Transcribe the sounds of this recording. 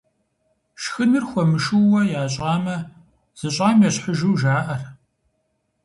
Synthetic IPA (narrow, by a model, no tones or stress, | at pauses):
ʃxɨnɨrxʷɔmɨʃuwɐjaːɕʼaːmɐ | z̥ɨɕʼaːmjɛɕħəʒuwʒaːʔɐr